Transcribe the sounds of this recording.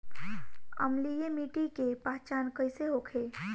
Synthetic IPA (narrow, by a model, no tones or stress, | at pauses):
ə̰mlijemiʈikepaɦt͡ʃankəjseɦokʰe